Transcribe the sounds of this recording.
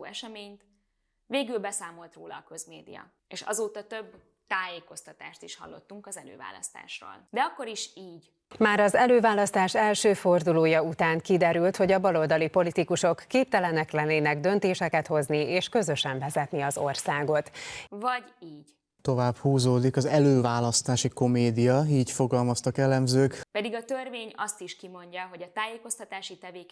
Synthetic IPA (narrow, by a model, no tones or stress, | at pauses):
ɛʃɛmeːɲt̪ | veːɡylbɛsaːmo̞lt̪roːlɒ̰ːkø̞zmeːd̪ḭjɒ̰ | eːʃɒ̰zoːt̪ɒt̪øb | t̪aːjeːko̞st̪ɒt̪a̰ːʃt̪iʃhɒ̰lːo̞̰t̪ːuŋkɒzɛlø̰ːva̰ːlɒ̰st̪a̰ːʃro̰ːld̪ɛɒkːo̞ɾiʃiːɟ | maːɾɒzɛløːvaːlɒst̪aːʃɛlʃøːford̪uloːjɒut̪aːŋkid̪ɛɾylt̪ho̞ɟɒbɒlo̞ld̪ɒlipo̞lit̪ikuʃo̞kːeːp̚t̪ɛlɛnɛklɛnːeːnɛɡd̪ø̞nt̪eːʃɛkɛt̪ho̞znieːʃkø̞zø̞ʃɛɱvɛzɛt̪niɒzo̞rsaːɡo̞t̪vɒɟiːɟ̥ | t̪o̞vaːbhuːzoːd̪ikɒzɛløːvaːlɒst̪aːʃiko̞meːd̪ijɒiːcfo̞ɡɒlmɒst̪ɒkɛlɛmzøːkpɛd̪iɡɒt̪ørveːɲɒst̪iʃkimo̞ɲɟɒɦo̞ɟɒt̪aːjeːko̞st̪ɒt̪aːʃit̪ɛveːk